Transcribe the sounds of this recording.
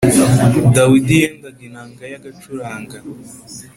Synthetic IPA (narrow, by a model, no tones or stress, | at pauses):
d̪awidijend̪aɡinaːŋɡajaɡat͡ʃuɾaːŋɡa